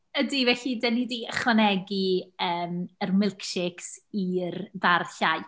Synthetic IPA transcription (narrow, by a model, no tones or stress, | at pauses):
ədivɛɬidənidiːəχwənɛɡiəːmərmɪlˠkʃɪksirdarɬaj